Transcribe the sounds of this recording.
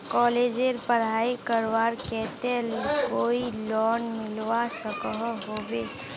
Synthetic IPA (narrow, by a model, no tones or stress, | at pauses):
kɔːleːd͡ʒeɾpəɽ̤aːikəɾwaːɾkɛːt̪ekoːilɔːnmɪlwasəkəɦɦoːbeː